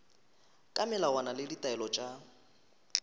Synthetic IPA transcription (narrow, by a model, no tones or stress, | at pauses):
kʼamɛlawanalɪditʼaɛlɔt͡ʃʼa